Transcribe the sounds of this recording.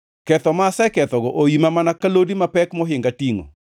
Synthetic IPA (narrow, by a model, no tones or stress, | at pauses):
kɛt̪ɔmasɛkɛt̪ɔɡɔʔojimamanakalodimapɛkmɔɦɪŋɡatiŋo̰